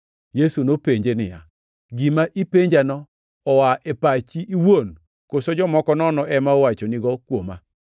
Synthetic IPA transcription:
jesunopeɲd͡ʒenɪ̰ja | ɡimaʔipeɲd͡ʒanɔː | waʔɛpat͡ʃiʔːwon | kosod͡ʒɔmɔkɔnɔnɔʔɛmawat͡ʃoniɡɔkwoma

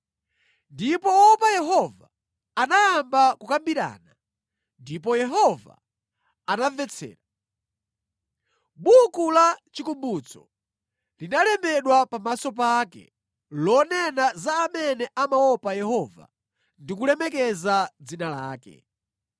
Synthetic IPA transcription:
ndipɔɔpajɛɦɔva | anajambakukambiɾa̰ːna | ndipɔjɛɦɔva̰ | anavɛt͡sʰɛ̰ːɾa | ɓukulat͡ʃikumbut͡sɔ | linalɛmbɛɗwapamasɔp̬akɛ̰ | lɔnɛnazaːmɛnɛʔamaɔpajɛhɔva̰ | ndikulɛmɛk̬ɛzad͡zinalaːkɛ̰

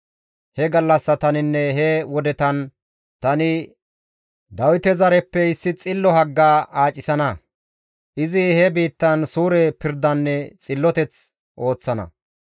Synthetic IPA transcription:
hɛɡɐlːɐsːɐt̪ɐnɪnːɛɦɛwɔd̪ɛt̪ɐn | t̪ɐnɪ | d̪ɐwɪt̪ɛzɐɾɛpːɛɪsːɪt͡sʼɪlːɔɦɐɡːaːʔaːt͡ʃʼːɪsɐnɐ | ʔɪzɪhɛbiːt̪ːɐnsuːɾɛpɪɾd̪ɐnːɛt͡sʼɪlːɔt̪ɛt͡s | ʔo̞ːt͡sːɐnɐ̰

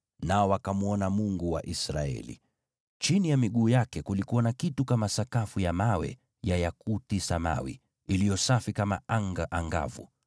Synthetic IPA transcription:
naɔwakamuɔnamuŋɡuwa̰ʔisɾa̰ɛ̰lḭ | t͡ʃinijamiɠuːjakɛkulikuwanakitukamasakafujamawɛ̰ | jajakutisama̰wḭ | ilijɔsafikama̰aŋɡaʔaŋɡa̰vṵ

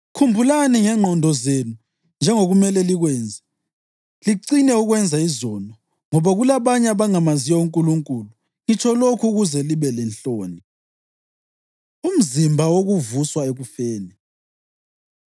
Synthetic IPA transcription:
kʰumbʱulaniŋɛŋ͡ǃʱɔndʱɔzenu | nd͡ʒʱɛŋoɣumɛlɛliɣwɛːnd͡zʱɛ | liǀinɛuɣwɛnd͡zʱaizɔːlɔ | ŋɔβaɣulaβaɲɛaβaŋamazijɔuŋkʼuluŋkʼuːlu | ŋit͡ʃʰɔlokʰuɣuzɛliβɛlɛnɬoːni | um̩zimbʱawoɣuvuswaeɣufeːni

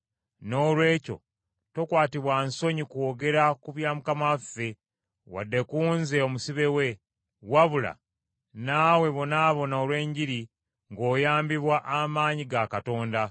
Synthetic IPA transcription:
no̞ːlwe̞ːco̞̰ | to̞kwaːtiβwanso̞ɲikuoɡe̞ɾakuβjaːmukamafːe̞ | wa̰dːe̞kuːnze̞o̞musiβe̞we̞ | waβula̰ | naːwe̞βo̞naːβo̞naolwe̞ːɲɟiɾi | ŋɡo̞ːjaːmbiβwaʔamaːɲiɡakato̞ːnda

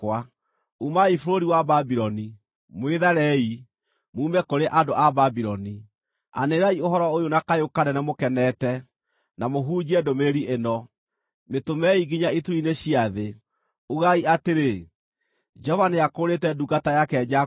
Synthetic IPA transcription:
wa | umaifoɾoɾiwababiɾɔni | mweðaɾɛi | muːmɛkoɾeʔadoʔababiɾɔni | a̰neɾaioɦɔɾɔojonakajokanɛnɛmokɛnɛtɛ | namoɦuːd͡ʑɛdomeɾiʔenɔ | metomɛiɡiɲaituɾineɕiaðe | uɣaiateɾe | d͡ʒɔvaneakoɾetɛduɡatajakɛd͡ʑa

